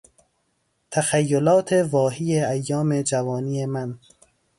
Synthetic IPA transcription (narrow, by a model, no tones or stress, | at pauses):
t̪ʰæxæjːolɒːt̪ʰevɒːɦiːjeæjːɒːme̞d͡ʒævɒːniːjemæn